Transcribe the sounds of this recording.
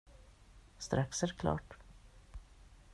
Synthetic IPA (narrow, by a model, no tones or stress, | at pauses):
st̪ɾaksæɾkʰlɑ̰ːʈ